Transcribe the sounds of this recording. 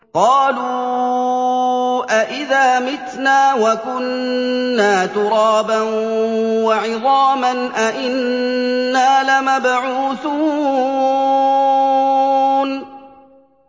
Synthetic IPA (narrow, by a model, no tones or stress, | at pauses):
qɑːluː | ʔaʔɪðaːmɪt̪naːwakʊnː | aːt̪ʊɾɑːbanwaʕɪðˤɑːmanʔaʔɪnː | aːlamabʕuːθuː | n